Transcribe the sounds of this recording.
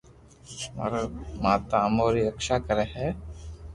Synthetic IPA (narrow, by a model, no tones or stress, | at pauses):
ma̰ɾmaːt̪aːmoːɾiɾəkʃakəɾeɦɛ